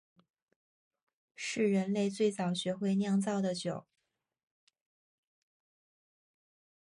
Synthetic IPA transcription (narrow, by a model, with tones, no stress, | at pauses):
ʂɻ̩˥˩ɻə˧˥nle˥˧ɪt͡swe˥˩ɪt͡sɑ˨˩ʊɕɥɛ˧˥xwe˥˧ɪnjɑ˥˧ŋt͡sɑ˥˩ʊd̪ə˩t͡ɕjo˨˩˦ʊ